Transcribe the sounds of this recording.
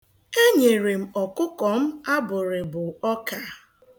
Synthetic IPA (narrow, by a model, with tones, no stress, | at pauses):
e˦ɲe˨ɾe˨m̩˨ɔ˨kʊ˦kɔ˨m̩˦a˦bʊ˨ɾɪ˨bʊ˨ɔ˦ka˨